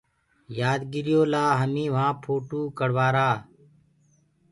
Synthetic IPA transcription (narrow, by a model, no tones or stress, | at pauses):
jaːd̪ɡɪɾɪjoːlaːɦəmĩːʋ̤ãːpʰoːʈuːkəɽʋaːɾaː